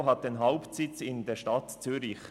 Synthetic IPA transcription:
ɦɑt̚d̥enɦaʊptsɪt͡sɪndeːʃtɑtt͡syːɾɪç

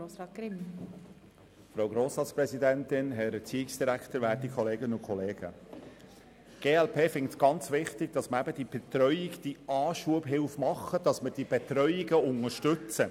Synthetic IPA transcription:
oːsɑːɪm | fɾowɡɾoːsɑːt͡spɾɛsidæntɪnɦɛɾɛt͡siːɪksd̥iɾækt̪əɾʋæːtikʰχɔleːɡənʊnkʰɔleːɡ̥ə̰ | ɡ̥eːɛlpʰeːfɪŋtɡ̥ɑnt͡sʋɪχtɪɡ̥̚d̥ɑsməɾæbəd̥ib̥ɛt̪ɾœʏiɡd̥iɑːʃuəbɦɪlfmɑχːəd̥ɑsməd̥ib̥etɾœʏiɡəʊŋəɾʃtʏt͡sə

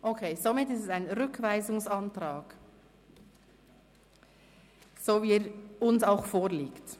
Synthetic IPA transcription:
ʔokʰeːzomɪtːɪstɛsaɪnɾʏkʰvaɪzʊŋsɑntraːɡ̥ | z̥oːviːɾʊnsaʊxfoːɾliːkt

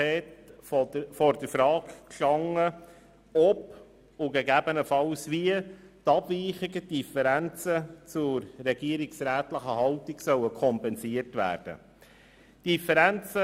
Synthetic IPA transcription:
ɛːt | fɔɾdəɾfɾɑːkkʃɑŋːə | ɔp | ʊɡeɡæbənəfɑlsviə | tɑb̥viːχiɡəd̥ifəɾænt͡sət͡sʊɾːɛɡiəɾiksɾæːtləχəɦɑltiksœwəkʰɔmpɛnsiərtvæ̰ːɾd̥ə̰ | d̥ifəɾænt͡sə

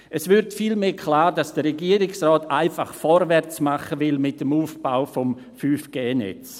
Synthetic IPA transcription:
ʔɛsvʏɾtfilmeːkʰlaːɾdɑsd̥əɾɛɡiəɾɪksʁɔːtʰaɪfaχfɔɾvɛɾt͡smaχəvɪlmɪt̚ːəmuːfb̥aʊfɔm | fyːfɡ̥eːnɛ̰t͡s

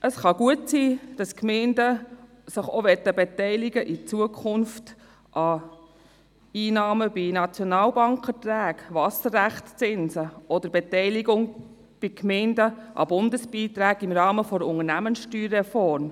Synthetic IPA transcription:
ʔəsχɑɡuətsiːd̥ɑskmɛɪndə | səχoʋɛt̪ːəbetɛɪlɪɡəʔit͡suəkʰχʊnft | ʔɑ | iːnɑːməb̥inɑt͡sjɔnɑːlbɑŋkfətɾæːɡʋɑsəɾːæχtt͡sɪnsəɔd̥̪əɾbɛtɛɪliɡʊŋ | b̥ikmɛɪndəʔɑ̰bʊndəsb̥iːt̪ɾæːɡɪmɾɑːməfɔɾəʊŋənæmənsʃtyːɾːɛfɔɾm

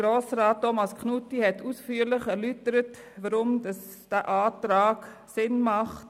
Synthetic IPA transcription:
ɾoːsɾaːt̚tːomɑskʰnutːihɛtusfyːɾlɪχɛɾlytəɾət | ʋɑɾʊmdɑs | d̥æːʔaːtɾaːksɪnmɑχt

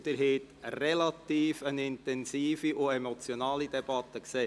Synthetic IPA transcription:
d̥̪əɾɦeːt̪ | rɛlat̪iːfənɪnt̪ɛnsiːfiʔʊɛmot͡sjonɑːlidɛb̥ɑt̪ːəkseː

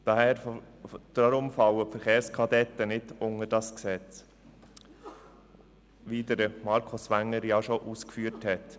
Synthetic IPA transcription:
d̥ɑhɛːɾf | d̪̥ɾɑɾʊmfɑwəpfɛɾχeːɾskʰɑdɛt̪ːənɪdʊŋəd̥ɑsksɛt͡s | ʋiːdəɾəmɑɾkʰosʋæŋːəɾjɑʃoʔuːskfyːɾthɛt̪

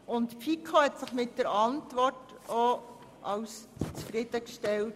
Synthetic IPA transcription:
ʊntpikʰohɛtsɪχmɪtd̥əɾɑntʋɔrt | o | ʔɑwst͡sfɾɪd̥̪əkʃtɛlt

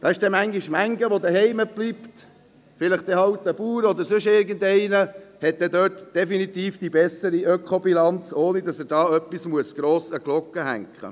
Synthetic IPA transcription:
d̪̥ɑɪʃd̥ɛmæŋɡiʃmæŋɡəʋod̪əɦɛɪməb̥lipt̪ | fɪləχtɛhɑwt̪ːəbuːɾɔd̪əɾsʏʃɪɾɡəndɛɪnəhɛt̚d̥̪ɛd̪øːtd̥ɛfinit̪iːfd̥ibɛsəɾiʔœkʰχobilɑnt͡soːnidɑsədɑːœpːismuəsɡ̥ɾoːsəɡ̥lɔkːəhæ̰ŋkχə̰

